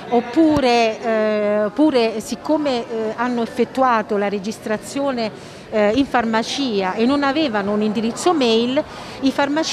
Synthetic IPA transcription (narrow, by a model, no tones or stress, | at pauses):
opːuːɾe | pːuːɾesikːomeanːoefːet̪ːuaːt̪olaɾed͡ʒist̪ɾat̪sːjoːne | iɱfarmat͡ʃiːaʔenːonavɛːvanounind̪iɾit̪sːomɛjl | ifarmat͡ʃ